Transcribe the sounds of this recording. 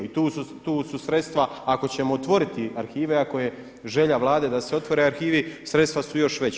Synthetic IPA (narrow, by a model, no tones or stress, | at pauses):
it̪uːsut̪uːsusɾe̞t̪st̪ʋaako̞t͡ɕe̞moːt̪ʋo̞ɾit̪iaɾxiːʋeako̞je̞ | ʒe̞ʎaʋlˠaːd̪e̞d̪aseo̞t̪ʋo̞ɾe̞aɾxiːʋisɾe̞t̪st̪ʋasujo̞ʃʋe̞t͡ɕ